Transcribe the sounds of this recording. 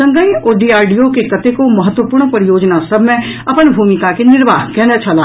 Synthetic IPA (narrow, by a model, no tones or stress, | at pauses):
ɐ̃ŋɡəoːɖiːaːɾɖiokekɐt̪ekomɐɦət̪ːwəpuːɾɳpɐɾɪjoːd͡ʒnasɐbʱmẽ | ɐpənbʱuːmɪkakenɪɾʋaːɦkɛːnət͡ʃʰɐlaː